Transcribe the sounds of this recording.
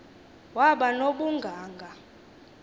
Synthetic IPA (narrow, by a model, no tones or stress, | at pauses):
waɓanoɓuŋɡʱaːŋɡʱa